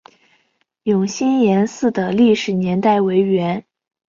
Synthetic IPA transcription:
jʊ˨˩ŋɕi˥njɛ˧˥nsɹ̩˥˩d̪ə˩li˥˩ʂɻ̩˨˩njɛ˧˥nt̪a˥˩ɪwe˧˥ɪɥɛ˧˥n

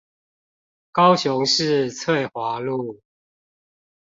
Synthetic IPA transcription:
kɑ˦ʊɕjʊ˨˦ŋʂɻ̩˥˨t͡sʰwe˥˩ɪxwa˨˦lu˥˨

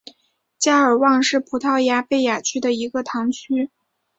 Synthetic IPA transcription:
t͡ɕja˥ə˞˨˩wɑ˥˧ŋʂɻ̩˥˩pʰu˨˩t̪ʰɑ˥˩ʊja˧˥pe˥˩ɪja˨˩t͡ɕʰy˥d̪ə˨i˧˥ɡə˧t̪ʰɑ˧˥ŋt͡ɕʰy˥

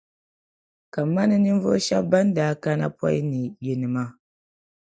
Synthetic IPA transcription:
ka˨mːa˦ni˦ni˦ɱ˦vo˦ʃa˦ba˦n˦da˨˦ka˦na̰˦pwa̰˦ji˦ni˨ji˨nɨ˨ma˦

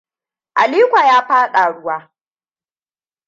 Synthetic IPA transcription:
ʔa˨liː˦kʷa˨jaː˦ɸaː˦ɗa˨ɽʊ˦waː˦

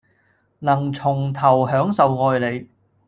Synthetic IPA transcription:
nɐ˨˩ŋt͡sʰʊ˨˩ŋt̪ʰɐ˨˩wɦœː˨˥ŋsɐ˨wŋɔː˧jle˨˧j

